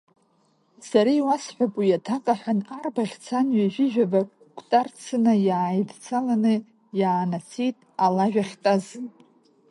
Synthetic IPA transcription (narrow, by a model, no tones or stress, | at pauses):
saɾajwasħʷᶣapʼijatʰakʼaħʷᶣanarbaχʲt͡sʰanɥaʒᶣɪʒᶣaba | kʷʰʼtʼart͡sʰɨnajaːjdt͡sʰalanɨ | jaːnat͡sʰejtʼalaʒᶣaχʲtʼaz